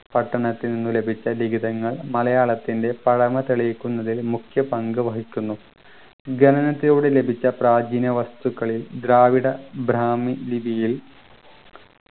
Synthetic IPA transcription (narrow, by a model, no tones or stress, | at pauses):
pɐʈːɐɳɐt̪ːilninːule̞bʱit͡ɕːɐliɡid̪ɐŋːɐɭmɐlɐjaːɭɐt̪ːinde̞pɐɽɐmɐt̪eɭijkʲːunːɐðilmukʰjɐpɐŋɡɨʋɐɦikʲːunːu | ɡɐnɐnɐt̪ːijoːɽele̞bʱit͡ɕːɐpraːd͡ʑinɐʋɐst̪ukːɐɭild̪ɾaːʋiɽɐbʱɾaːmilibʱijil